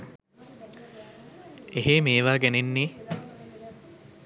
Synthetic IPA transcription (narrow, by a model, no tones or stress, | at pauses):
eɦemeːʋaːɡenenːiː